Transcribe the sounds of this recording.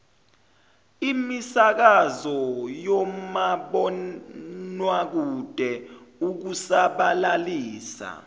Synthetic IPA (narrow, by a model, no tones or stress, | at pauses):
imisak̬azɔjɔmaɓɔ | nwak̬ud̥ʱɛuk̬usaɓalaliːsa̰